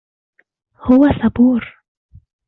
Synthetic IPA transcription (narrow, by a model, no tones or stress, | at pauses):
hʊwasɑbuːɾ